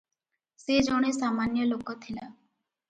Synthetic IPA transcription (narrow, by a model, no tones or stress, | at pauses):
sed͡ʒoɽ̃esamanjɔlokɔt̪ʰila̰